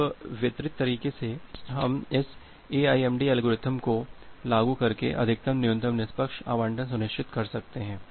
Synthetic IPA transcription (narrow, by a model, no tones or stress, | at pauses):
ʋɪt̪ɾɪt̪ːɐɾiːkeseɦɐmɪs | eːaːiɛːmɖiɐlɡoɾɪt̪ʰəmkolaːɡukɐɾkḛʔɐ̰d̪ʱɪk̚t̪ɐmnɪjʊ̃nt̪əmnɪspəkʃa̰ːʋãːɳʈə̃ns̬ʊnɪʃt͡ʃʰɪt̪kɐɾsɐk̚t̪eɦɛ̃ː